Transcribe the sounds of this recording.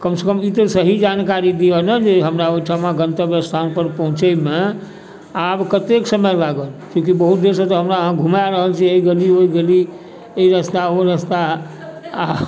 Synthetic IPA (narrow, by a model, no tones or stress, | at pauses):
kəmsekəmit̪əsəɦid͡ʒankaɾid̪ijənəd͡ʒeɦəmɾaoiʈʰəmãɡənt̪əbjəst̪ʰanpəɾpəɦũt͡ʃəme | abkət̪eksəməjlaɡəlkjũkibəɦut̪̚d̪eɾsət̪ɔɦəmɾaəɦãɡʱumjaɾəɦəlt͡ʃʰieiɡelioiɡeli | eiɾəst̪aoɾəst̪a